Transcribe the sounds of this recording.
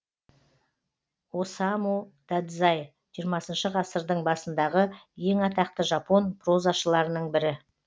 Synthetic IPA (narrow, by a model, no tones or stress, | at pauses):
o̞sɑmud̪̥ad̪zɑj | ʒ̥ijəɾmɑsənʃəʁɑsəɾd̪əɴbɑsənd̪ɑʁəje̞ŋɑt̪ɑq̚t̪əʒɑpo̞npʰro̞zɑʃəlˠɑɾənəɴbɪɾɪ